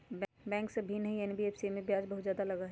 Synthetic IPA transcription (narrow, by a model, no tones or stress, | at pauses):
b | bɛ̃ːŋksebʱinɐɦĩɛnbieːfsimẽbjaːd͡ʒbɐɦʊt̪zjaːd̪alɐɡaɦɛ